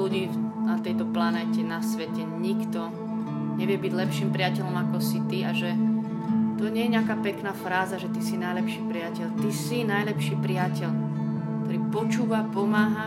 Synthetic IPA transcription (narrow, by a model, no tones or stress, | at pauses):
uɟiːnat̪ɛjt̪ɔplanɛːcɛnasʋɛcɛɲikt̪ɔ | ɲɛʋɪɛbiɟlɛpʃiːmpɾɪacɛʎɔmakɔsit̪iaʒɛ | t̪ɔɲɛjɛɲɪakaːpɛknaːfɾaːzaʒɛt̪isinajlɛpʃiːpɾɪacɛʎt̪isinajlɛpʃiːpɾɪacɛʎ | kkt̪ɔɾiːpɔt͡ʃuːʋapɔmaːɦa